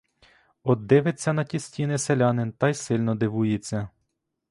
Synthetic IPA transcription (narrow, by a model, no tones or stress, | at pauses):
ɔd̪ːɪʋet͡sʲːɐnɐtʲisʲtʲinɪselʲɑnɪnt̪ɑjsɪlʲnɔd̪ɪʋujet͡sʲːɐ